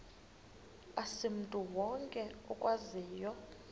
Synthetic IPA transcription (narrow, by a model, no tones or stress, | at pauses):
asim̩tʼuwɔŋkʼɛɔkʼwaziːjɔ